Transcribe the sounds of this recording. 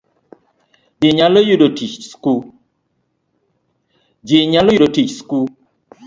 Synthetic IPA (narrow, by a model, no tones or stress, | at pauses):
jɪɲalojuɗotit͡ʃskul | d͡ʒiɲalojudotit͡ʃskul